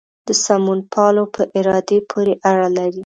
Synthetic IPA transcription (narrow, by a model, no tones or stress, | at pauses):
d̪̥əsamunpʰɑlopʰəʔɪɾɑd̪epʰoɾeʔaɽalaɾi